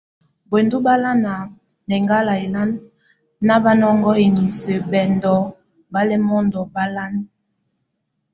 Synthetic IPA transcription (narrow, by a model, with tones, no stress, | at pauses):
bwe˨ndu˦ba˦la˦na˨ | nɛ˨ŋɡa˦la˨e˨la˦nː | a˦ba˦nɔ˦ŋɡɔ˦e˨ɲi˨se˨bɛ˨ndɔ˨ | ba˦lɛ˦mɔ˦ndɔ˨ba˦la˦n